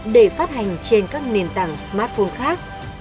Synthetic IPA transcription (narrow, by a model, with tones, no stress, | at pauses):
ɗe˧˩faː˦˥t̚ha˨˩jŋ̟t͡ɕe˧nkaː˦˥k̚ne˨˩nt̪aː˧˩ŋsmaː˦˥t̚fo˧nxaː˦˥k̚